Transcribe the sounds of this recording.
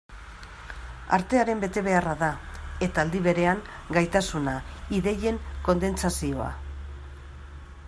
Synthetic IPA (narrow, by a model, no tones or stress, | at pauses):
a̰ɾt̪e̞aɾe̞mbe̞t̪e̞βe̞araðae̞t̪aːld̪iβ̞e̞ɾe̞aŋ | ɡajt̪asunaiðe̞je̞ŋko̞nd̪e̞nt͡sasio̞a̰